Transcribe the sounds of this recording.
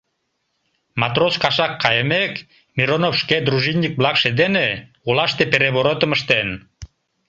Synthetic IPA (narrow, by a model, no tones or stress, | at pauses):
mɑt̪roskɑʃɑkːɑjəmek | miɾonofʃked̪ɾuʒinʲːik̚blɑkʃed̪ene | ulɑʃt̪epeɾeβoɾot̪əməʃt̪en